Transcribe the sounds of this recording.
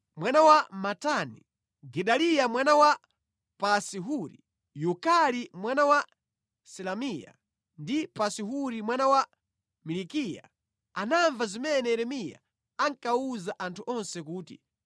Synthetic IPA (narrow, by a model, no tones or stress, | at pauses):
mwanawamatani | ɡɛɗalijamwanawa | pasiɦuɾḭ | jukalimwanawa | sɛlamija̰ | ndipasiɦuɾimwanawa | milikija̰ | anaɱvazimɛnɛɾɛmija̰ | aŋkauzaʔantʰuʔɔnsɛkuːtḭ